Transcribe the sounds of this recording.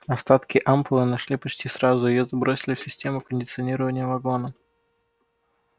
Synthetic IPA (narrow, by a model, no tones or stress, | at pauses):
ɐst̪at̪kʲɪʔamplˠɨnɐʂlʲipɐt͡ɕtʲisɾazʊɪjozbɾosʲɪlʲɪfsʲɪsʲtʲe̞mʊkənʲdʲɪt̪sɨɐnʲiɾəvənʲɪjəvɐɡo̞nə